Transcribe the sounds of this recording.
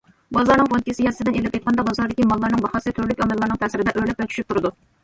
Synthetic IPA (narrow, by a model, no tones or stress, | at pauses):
bɑzɑɾnɨŋʁonkʲɪsɪjɛsɪd̪ɪnelɪp̚et̪̚qʰɑnd̪ɑbɑzɑɾd̪ɪkʲimɑlˠːɑɾnɨŋbɑχɑsɨt̪ʰøɾlykʲɑmɪlːɑɾnɨŋt̪ʰɛsɪɾɪd̪ɛʔøɾlɛp̚vɛt͡ʃʰy̥ʃyp̚t̪ʰuɾɨd̪u